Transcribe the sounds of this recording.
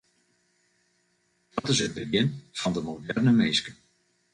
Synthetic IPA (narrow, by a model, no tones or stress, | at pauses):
d̥ɑtɪsət̚bəɡɪnfɑndəmodɛrnəmeːskə